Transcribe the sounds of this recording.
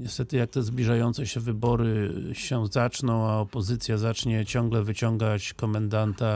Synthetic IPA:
ɲɛst̪ɛt̪ɘjak̚t̪ɛzblʲiʐajɔnt̪sɛɕɛvɘbɔɾɘɕɛzat͡ʂnɔ̃w̃aɔpɔzɘt̪sʲjazat͡ʂɲɛt͡ɕɔŋɡlɛvɘt͡ɕɔŋɡat͡ɕkɔmand̪ant̪a

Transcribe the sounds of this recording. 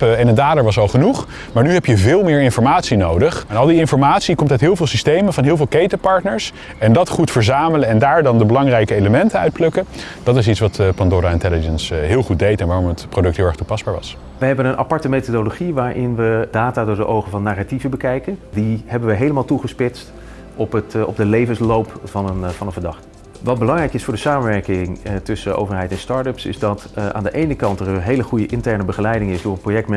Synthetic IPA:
pəɛnədaːdəɹʋɑsɑlˠχənuχ | maːɹnyɦɛpjəvɪːlˠmɪːɹɪnfɔɹmaːtsinowdəχɛnɑlˠdiɪnfɔɹmaːtsikɔmtœtɦɪːlˠvɪːlˠsistejməvɑnɦɪːlˠvɪːlˠkejtəpɑɹtnəɹs | ɛndɑtχutfəɹzaːmələɛndaːɹdɑndəbəlɑŋrɛjkəejləmɛntənœɥt̚plɵkə | d̥ɑtɪs̬itsʋɑtpɑndoɾaɪntɛləd͡ʒənsɦɪːlˠχut̚dejtɛnʋaːɾɔmətprodɵk̚tɦɪːlˠɛχtupɑsbaːɹʋɑ̰s | ʋəɦɛbənənʔɑ̰pɑɹtəmejtodoloχiʋaːɹʔɪnʋədaːtaːdʊːɹdəʔowχəvɑnːaːrativəbəkɛjkəndiɦɛbənʋəɦejləmaːlˠtuχəspɪtst | ɔpətɔ̰b̚dəlejvənslowpfɑnənfɑnənvəɹdɑχt | ʋɑd̚bəlɑŋrɛjkɪsfʊːɹdəsaːmənʋɛɹkɪŋtʏsəʔo̰wvəɹɦɛjtɛnstɑɹtəpsɪ̰zdɑta̰ːndəʔejnəkɑntərənɦejləχujəʔɪntɛɹnəbəχəlɛjdɪŋɪzdʊːɹənprojɛk̚tm

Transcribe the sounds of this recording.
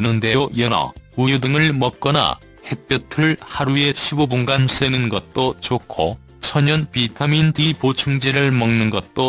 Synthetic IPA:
nɯnde̞ojʌnʌ̰ujudɯŋɯɭmʌk̚k͈ʌna̰ | he̞p͈jʌtʰɯɭhaɾue̞ɕʰibobunɡans͈enɯnɡʌt̚t͈ot͡ɕokʰo | t͡ɕʰʌɲʌnpitʰamindipot͡ɕʰuŋd͡ʑeɾɯɭmʌŋnɯnɡʌt̚t͈o

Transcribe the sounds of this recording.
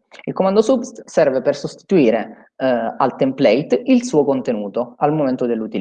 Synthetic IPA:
ilkomand̪osubst̪sɛrvepersost̪i̥t̪uiːɾe | alt̪emplɛjt̪ilsuːokont̪enuːt̪oalmoment̪od̪elːut̪il

